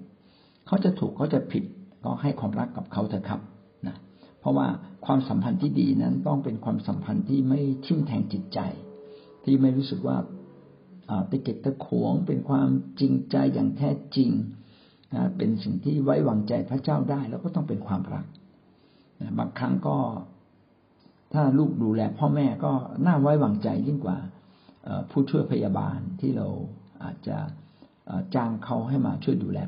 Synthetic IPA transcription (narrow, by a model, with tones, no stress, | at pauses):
kʰa˦˥wt͡ɕa˨˩t̪ʰuː˨˩kʰːɔː˦˥˩t͡ɕa˨˩pʰi˨˩t̪̚kɔ̰ː˥˩ha˥˩jkʰwaː˧mɾa˦˥kːa˨˩p̚kʰa˦˥wt̪ʰa˧˩kʰa˦˥p̚ | na˦˥pʰɾɔ˦˥wa̰ː˥˩kʰwaː˧msa˩˦mpʰa˧nt̪ʰiː˥˩diː˧na˦˥nt̪ɔ˥˩ŋpe˧nkʰwaː˧msa˩˦mpʰa˧nt̪ʰiː˥˩ma˥˩jt̪ʰi˥˩mt̪ʰɛː˧ŋt͡ɕi˨˩t̪̚t͡ɕa̰˧j | t̪ʰiː˥˩ma˥˩jɾuː˦˥sɯ˨˩k̚wa̰ː˥˩ | ʔəː˨˩p̪e˧ke˨˩t̪̚kːa˧kʰuː˩˦əŋpe˧nkʰwaː˧mt͡ɕi˧ŋt͡ɕa˧jːa̰ː˨˩ŋt̪ʰɛː˥˩t͡ɕi˧ŋ | na̰˦˥pe˧nsi˨˩ŋt̪ʰiː˥˩wa˦˥jwaː˨˩ŋt͡ɕa˧jpʰɾa˦˥t͡ɕaː˥˩wdaː˥˩jlɛ˦˥wkɔː˥˩t̪ɔ˥˩ŋpe˧nkʰwaː˧mɾa̰˦˥k̚ | na˦˥baː˧ŋkʰɾa˦˥ŋkɔː˥˩ | t̪ʰaː˥˩luː˥˩k̚duː˧lɛː˧pʰɔː˥˩mɛː˥˩kɔː˥˩naː˥˩wa˦˥jwaː˨˩ŋt͡ɕa˧jd͡ʑi˥˩nkwa̰ː˨˩ | ʔə̰ː˨˩pʰuː˥˩t͡ɕʰu˥˩əjpʰa˧jaː˧ba̰ː˧nt̪ʰiː˥˩ɾa̰˧wʔa̰ː˨˩t̪̚t͡ɕa̰˨˩ | ʔəː˨˩t͡ɕaː˧ŋkʰa˦˥wɦa˥˩jma̰ː˧t͡ɕʰu˥˩əjduː˧lɛ̰ː˧